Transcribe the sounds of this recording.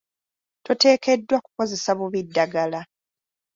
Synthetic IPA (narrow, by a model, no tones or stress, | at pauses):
to̞te̞ːke̞dːwaku̥ko̞ze̞saβuβidːaɡala